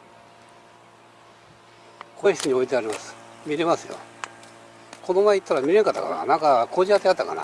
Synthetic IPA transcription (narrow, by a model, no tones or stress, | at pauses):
kʰoçi̥t͡sɨɲ̟io̞it̪̬e̞aɾʲimasɨ̥mʲiɾe̞masɨjo̰ | kʰo̞d̪omait̪ːaɾamʲiɾe̞ŋkat̪ːa̰ka̰na̰nãŋkakoːʑiat̪ːejat̪ːaka̰na̰